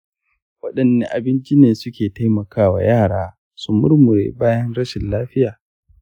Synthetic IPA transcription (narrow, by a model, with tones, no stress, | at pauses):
wɐ˦ɗɐ˨nːe˦ʔa˨bɪ˦nt͡ʃɪ˦neː˨sʊ˦kʲeː˨ta˦jmɐ˨kʰaː˦wa̰˨jaː˦˨ɽaː˦ | sʊ˦mʊ˦rmʊ˨ɾḛː˨baː˦jɐ˦nɽɐ˦ʃɪ˨nlaː˦ɸɪ˦jaː˨